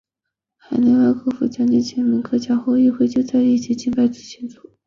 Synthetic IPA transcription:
xa˨˩ɪna˧˥a˥˧kʰɤ˥fṵ˧˩t͡ɕʰja˧˥nt͡ɕi˥nt͡ɕʰjɛ˧˥nmi˧˥ŋkʰɤ˥t͡ɕja˥xo˥˧i˥˧xwe˥˧ɪt͡ɕjo˥˧ʊt͡sa˥˧ɪi˥˩t͡ɕʰi˧˥t͡ɕi˥˧npa˥˩ɪt͡s̩˧˥˩ɕʰɛ˧˥nt͡sɔ˥˩˦

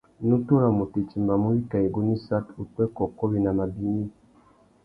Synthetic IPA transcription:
nu˦tu˦ɾa˨mu˨te˨t͡ʃi˨mba˨mu˦i˦ka˨e˨ɡu˦ni˦sa˦tu˨twɛ˦kɔ˨kɔ˦βi˨na˨ma˨bi˦ɲi˦

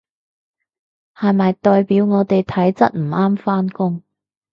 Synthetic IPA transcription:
hɐ˨jmɐ˨jt̪ɔː˨jpiː˨˥wŋɔː˨˧t̪e˨jt̪ʰɐ˨˥jt͡sɐ˥t̚m̩˨˩ʔaː˥mfaː˥nkʊ˥ŋ

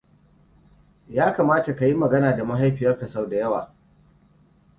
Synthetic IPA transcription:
jaː˦kaː˨maː˦ta˨ka˨ji˦mɐ˨ɡɐ˦naː˨da˨mɐ˦ɦa˦jɸɪ˨jɐ˦rka˨sa˦wda˨jɐ˦waː˨

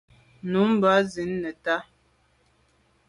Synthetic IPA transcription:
nu˨˦m˨ba˨˦zi˨˦nːə˨ta˦

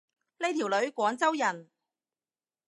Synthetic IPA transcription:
le˥jt̪ʰi˨˩wlɵ˨˥ɥkʷɔː˨˥ŋt͡sɐ˥wjɐ˨˩n

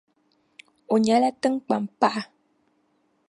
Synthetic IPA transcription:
o˨ɲa˨˦lɛ˦tɨ˦ŋk͡pa˨mpa˦ʔa˨

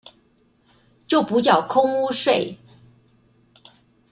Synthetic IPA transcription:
t͡ɕjo˥˩ʊpu˧˥t͡ɕjɑ˨˩ʊkʰʊ˥ŋu˥ʂwe˥˩ɪ

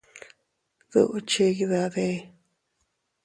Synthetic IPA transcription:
ðṵ˧ʔu˧t͡ʃe˧ɣi˧ða˧ðe˦˧

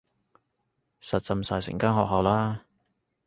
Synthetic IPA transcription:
sɐ˨t̚t͡sɐ˧msaː˨jsɪ̰˨˩ŋkaː˥nɦɔː˨k̚hɐ˨wlaː˥

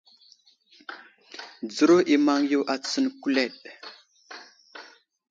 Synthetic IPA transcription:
d͡zu˦ɾo˦ʔi˨ma˦ŋju˦wʔa˨t͡sə˦nku˦le˦˨ɗ

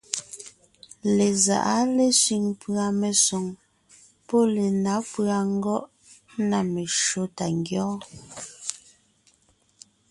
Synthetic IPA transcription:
le˨za̰˨ʔa˦le˦sɥi˨ŋpɰa˨me˨sɔ˨ŋ | pɔ˦le˨na˨˦pɰa˨ŋ̩˦ɡɔ˦ʔ | na˨me˨ʃo˦ta˨ŋɡjɔː˦

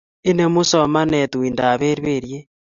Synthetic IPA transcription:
i˦ne˦mu˦soma˦ne˨twiːnda˨βe˦ɾβeɾje

